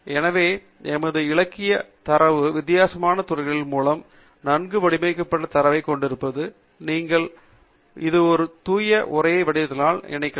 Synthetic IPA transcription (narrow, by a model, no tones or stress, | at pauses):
ɛnɐʋeː | ɛmɐðɯɪɭɐkːɪjɐt̪ɐɾɐʋɯʋɪt̪ːɪjaːsɐmaːnɐt̪ʊɾɐɪɣɐɭɪlmuːlɐm | nɐnɡɯʋɐɽɪmɐɪkːɐpːɐʈːɐt̪ɐɾɐʋɐɪkːɔɳɖɪɾɯpːɐðɯ | niːŋɡɐɭ | ɪðɯɔɾɯt̪uːjɐʔʊrɐjɐɪʋɐɽɪjɐðɯnaːlɪ̰nɐɪkːɐ